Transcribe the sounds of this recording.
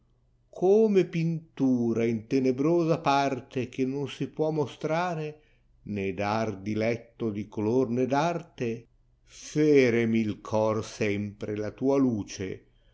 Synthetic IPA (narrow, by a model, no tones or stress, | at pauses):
kʰoːmepint̪uːɾaint̪enebɾoːzapart̪ek̟enːonsipwɔmːost̪ɾaːɾe | ned̪ard̪ilɛt̪ːod̪ikolorned̪art̪e | fɛːɾemiːlkʰɔrsɛmpɾelat̪uːaluːt͡ʃḛ